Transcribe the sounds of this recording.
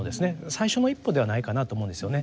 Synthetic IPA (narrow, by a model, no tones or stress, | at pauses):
od̪e̞sɨne̞saiɕo̞no̞ipːo̞d̪e̞βanaikanat̪omo̞ɯ̟̃nd̪e̞sɨjo̞ne̞